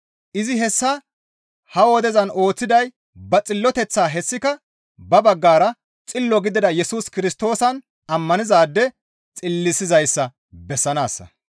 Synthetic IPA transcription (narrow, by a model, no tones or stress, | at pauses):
ʔɪzɪɦɛsːɐ | hɐwɔd̪ɛzɐno̞ːt͡sːɪd̪ɐj | bɐt͡sʼɪlːɔt̪ɛt͡sːaːɦɛsːɪkɐ | bɐbɐɡːaːɾɐ | t͡sʼɪlːɔɡɪd̪ɪd̪ɐjɛsuːskɪɾɪst̪o̞ːsɐn | ɐmːɐnɪzaːd̪ːɛ | t͡sʼɪlːɪsɪzɐjsːɐ | bɛsːɐnaːsːɐ̰